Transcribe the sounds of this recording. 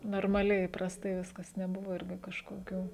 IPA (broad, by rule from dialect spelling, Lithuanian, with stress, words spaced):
noːrmɐˈlʲɛɪ iːprɐsˈtɐɪ ˈʋʲɪskɐs nʲɛˈbʊʋoː ˈɪrʲɡʲɪ kɐʃkoːˈkʲuː